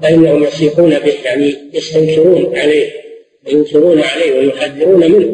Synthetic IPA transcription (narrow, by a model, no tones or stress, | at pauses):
ɪʔɪnːahʊmjasiːħuːnabɪhjaʕnijast̪amʃɪɾuːnʕaleːh | wajʊnt̪ɪɾuːnʕalaːhwajʊħaðːɪɾuːnamɪnhʊ